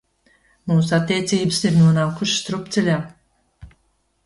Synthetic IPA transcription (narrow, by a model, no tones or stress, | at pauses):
muːsat̪ʲːeɛt̪siːbɨsiɾnuɔnaːwkuʃst̪ɾupt̪ʲelʲaː